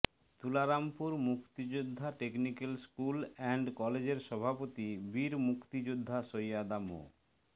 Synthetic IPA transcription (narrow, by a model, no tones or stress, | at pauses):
t̪ulaɾampuɾmukʰt̪id͡ʑod̪ʱːaʈeknikelskulɛɳɖkɔled͡ʑeɾʃɔbʱapot̪ibiɾmukt̪id͡ʑud̪ʱːaʃojad̪amo̰